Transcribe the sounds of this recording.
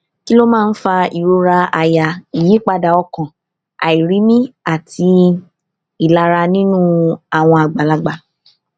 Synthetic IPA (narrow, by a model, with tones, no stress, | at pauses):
ki˦lo˦mãː˦˧˦n̩˦fa˧i˨ɾo˧ɾa˧a˧ja˨i˨ji˨˦k͡pa˧da˧ɔ˧kɔ̃˨ | a̰˨i˨ɾi˨˦mĩ˦a˦˨tʰi˧ | i˨la˧ɾa˧nĩ˦nũ˦a˨w̃ɔ̃˧a˨ɡ͡ba˨la˧ɡ͡ba˨